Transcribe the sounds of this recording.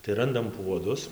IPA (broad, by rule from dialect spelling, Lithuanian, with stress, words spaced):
tɐɪ ˈrɐndɐm ˈpuɔdʊs